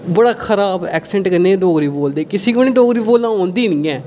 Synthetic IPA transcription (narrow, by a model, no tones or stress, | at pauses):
bəɽaːkʰəɾaːbɛːksɛ̃ɳʈkəneːɖoːɡɾiːboːld̪eːkɪsiːkəñĩːɖoːɡɾiːboːlãːõːnd̪iːnĩːɛ̃ː